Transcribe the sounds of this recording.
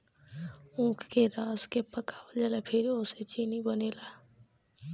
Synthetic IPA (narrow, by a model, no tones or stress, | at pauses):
ũkʰkeɾaːskepəkaʋəld͡ʒalapʰeɾioset͡ʃinibənela